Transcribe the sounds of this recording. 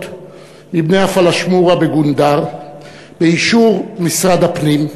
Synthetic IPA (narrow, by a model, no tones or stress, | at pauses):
t̪ | mibnejafalaʃmuʁabeɡund̪aʁ | beiʃuʁmisʁad̪apnim